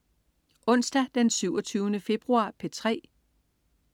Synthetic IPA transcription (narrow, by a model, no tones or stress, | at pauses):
ʔɔ̽n̰sd̥æd̥ensyʊɒt͡sʰyːʊnəfe̝b̥ʁuɑ̈ːpʰe̝t͡sʰʁɛ̰ː